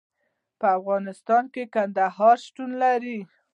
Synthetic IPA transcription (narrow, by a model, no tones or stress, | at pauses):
pəafɣɑnɪst̪ɑnkekand̪ahɑɾʃʈunlaɾi